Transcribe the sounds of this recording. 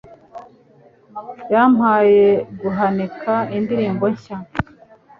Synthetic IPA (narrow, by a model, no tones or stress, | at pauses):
jam̥haːje̞ɡuɦanikʰaindiɾiːmbo̞ɲça